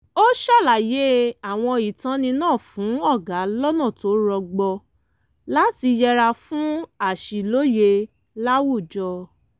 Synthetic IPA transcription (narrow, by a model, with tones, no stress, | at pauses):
o˦ʃa˦˨la˨je˨˦a˨w̃ɔ̃˧i˨tã˨˦nĩ˧nãː˦˨fũ˨˦ɔ˦˨ɡa˨˦lɔ˦nã˦˨to˨˦ɾɔ˧ɡ͡bɔ˧ | la˦ti˧jɛ˧ɾa˧fũ˦a˦˨ʃi˨lo˦je˧ | la˦wu˦˨d͡ʒɔ˧